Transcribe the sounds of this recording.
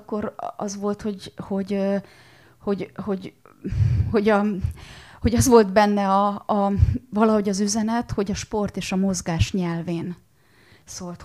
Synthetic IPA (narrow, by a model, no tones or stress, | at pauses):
kːo̞ɾɒ̰zʋo̞lt̪ho̞ɟho̞ɟ | ho̞ɟho̞ɟ | ho̞ɟɒ | hoɟɒzʋo̞ld̪bɛnːɛɒɒvɒlɒɦo̞ɟɒzyzɛnɛt̪ho̞ɟɒʃpo̞rt̪eːʃɒmo̞zɡaːʃɲɛlveːn | soːlt̪